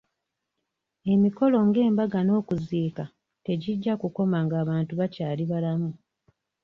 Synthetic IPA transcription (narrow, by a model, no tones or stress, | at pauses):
e̞miko̞lo̞ŋɡe̞ːmbaɡano̞ːkuziːka | te̞ɟiɟːakuko̞maŋɡaːβaːntuβacaːliβalamu